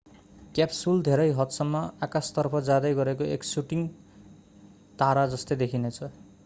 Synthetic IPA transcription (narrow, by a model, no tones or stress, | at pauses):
kjapsuld̪ʱeɾʌjɦʌt̪sʌmːʌakast̪ʌrpʰʌd͡zad̪ʌjɡʌɾekoeksuʈiŋ | t̪aɾad͡zʌst̪ed̪ekʰinet͡sʰʌ